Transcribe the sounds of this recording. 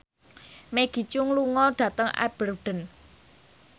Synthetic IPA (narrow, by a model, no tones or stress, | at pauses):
meɡ̥i̤t͡ʃʊŋluŋɔɖ̥ä̤t̪əŋa̰b̥ərɖ̥ə̤n